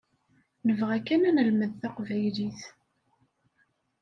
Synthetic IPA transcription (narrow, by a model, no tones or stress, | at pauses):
nəvʁækːænænəlməðθaqvæjliθ